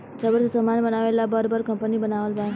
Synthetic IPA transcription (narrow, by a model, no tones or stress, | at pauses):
t̪jabəɾsəsəmanbənaʋelabəɾbəɾkəmpəniːbənaʋəlba